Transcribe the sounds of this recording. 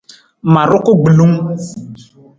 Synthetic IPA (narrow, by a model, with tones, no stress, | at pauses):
mã˨ɾʊ˦ko˦ɡ͡bi˨lu˦ŋ